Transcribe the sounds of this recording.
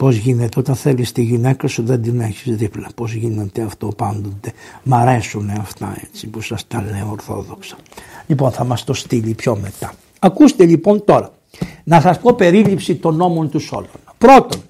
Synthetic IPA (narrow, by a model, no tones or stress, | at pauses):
po̞zʝine̞t̪eo̞t̪ɐnθelist̪iʝine̞kɐsuðe̞nd̪ineçizðiplɐpo̞zʝinet̪e̞ɐft̪o̞pɐnd̪o̞t̪e̞mɐɾe̞suneɐft̪ɐ̰e̞̰t͡sipusɐst̪ɐleoɾθo̞̰ðo̞ksɐ̥ | ʎipo̞nθɐmɐst̪o̞st̪ilipço̞me̞t̪ɐ̥ | ɐkust̪e̞ʎipo̞nt̪oɾɐ | nɐsɐspo̞pe̞ɾilipsit̪o̞no̞mo̞nt̪uso̞̰lo̰nɐpɾo̞t̪o̞n